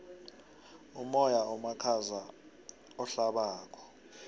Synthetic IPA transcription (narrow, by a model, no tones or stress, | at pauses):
umɔjaɔmakʰaza | ɔɬaɓaːkʰɔ̥